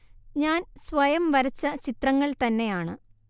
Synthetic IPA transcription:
ɲaːnsʋɐjɐmʋɐɾɐt͡ɕːɐt͡ɕit̪rɐŋːɐɭt̪ɐnːe̞jaːɳɨ

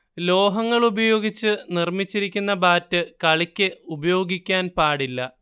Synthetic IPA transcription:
lo̞ːɦɐŋːɐɭubɐjo̞ːɡit͡ɕːɨnirmit͡ɕːiɾikʲːunːɐbaːtːɨkɐɭikʲːɨubɐjo̞ːɡikʲːaːnpaːɽilːɐ

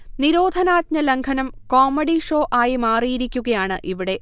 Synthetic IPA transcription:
niɾo̞ːd̪ʱɐnaːt̪̚ɲɐleŋkʰɐnɐmkoːmːɐɽiʂo̞ːʔaːjimaːrijiɾikʲːuɣɐjaːɳɨʔiʋiɽe̞

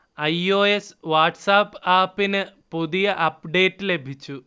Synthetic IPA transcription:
ɐjoːesʋaːʈsaːpaːpːinɨpuðijɐʔɐpɖe̞ːʈːile̞bʱit͡ɕːu

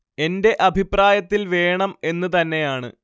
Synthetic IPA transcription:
e̞nde̞ʔɐbʱipraːjɐt̪ːilʋe̞ːɳɐme̞nːɨt̪ɐnːe̞jaːɳɨ̰

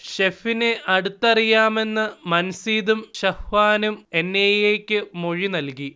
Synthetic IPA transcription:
ɕefineʔɐɽut̪ːɐrijaːme̞nːɨmɐnɐsiːðumɕɐhʋaːnume̞nːejeːkʲːɨmo̞ɻinɐlki

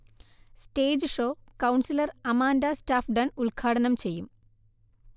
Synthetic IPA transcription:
sʈeːd͡ʑɨʂo̞ːkɐwɳsilɐrɐmaːndɐstaːfɖɐnuɭkʰaːɽɐnɐmt͡ɕe̞jːum

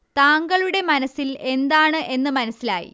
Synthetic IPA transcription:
t̪aːŋɡɐɭuɽe̞mɐnɐsːile̞nd̪aːɳɨʔe̞nːɨmɐnɐsːilaːjḭ

